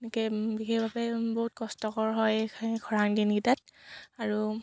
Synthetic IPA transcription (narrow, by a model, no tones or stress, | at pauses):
nɛkɛbixexbʱabɛboɦut̚kɔstɔkɔɹɦɔjɡʰɔɹaŋdinɡitat̚aɹu